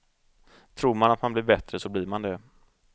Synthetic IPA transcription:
t̪ʰɾuːɾmanat̪manblɪɾbɛt̪ɾəsɔblɪɾmand̪ɛ

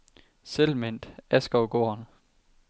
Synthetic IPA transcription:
selmen̰d̥æsɡ̥ɒʊɡ̥o̝ːɐn

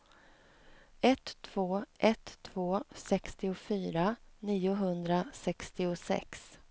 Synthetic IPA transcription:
ɛt̪ʰːv̥oːʔɛt̪ʰːv̥oːsɛkst̪ɪʊfyːɾaniːʊɦɵnd̪ɾasɛkst̪ɪʊsɛ̰ks

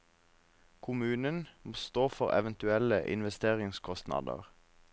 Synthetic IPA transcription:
kʰʊmʉːnənmoːst̪oːfɔʁɛ̰ʋənt̪ʉɛləʔɪ̰nʋɛst̪eːʁɪŋskʰɔst̪nɑ̰d̪ə̰ʁ

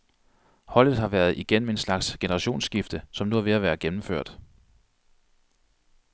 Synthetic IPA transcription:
hɒ̽l̰ð̩ˠɦɑ̈ʋæːɐð̞̩ˠʔiɡ̥en̰m̩e̝nslɑ̈ɡ̥sɡ̥e̝nəʁɑ̈ɕo̝̰ːnsɡ̥ifd̥əsɒ̽mnuhɑʋe̝æʋæːɐɡ̥emm̩føɐ̰d̥

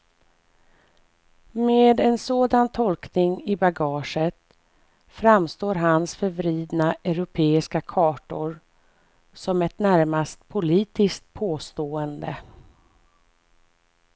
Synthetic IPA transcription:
meːd̪ɛnsoːd̪ant̪ʰɔlknɪŋɪbaɡɑːʂət̪ | fɾamst̪oːɾɦansfœɾvɾiːd̪naʔœɾʊpʰeːɪskakʰɑːʈʊɾ | sɔmɛt̪næɾmast̪pʰʊliːt̪ɪskt̪̚pʰoːst̪oːənd̪ə

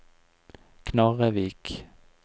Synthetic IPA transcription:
kʰnɑʁəʋiːk

